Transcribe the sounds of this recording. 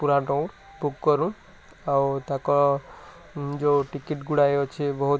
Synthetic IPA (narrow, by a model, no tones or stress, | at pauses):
puɾaʈɔw̃ | bukːɔɾũ | awt̪akɔ | d͡ʒoʈikiʈɡuɽaeot͡ʃʰebɔɦu